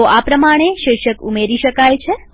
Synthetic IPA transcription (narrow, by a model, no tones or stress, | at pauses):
oʔapɾəmaɽ̃eʃɪɾʃəkumeɾiʃəkajt͡ʃʰe